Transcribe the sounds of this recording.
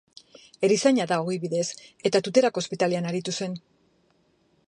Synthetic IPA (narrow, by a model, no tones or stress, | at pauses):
e̞ɾisaɲaðao̞ɣiβiðe̞se̞t̪at̪ut̪e̞ɾakospit̪aleanaɾit̪use̞n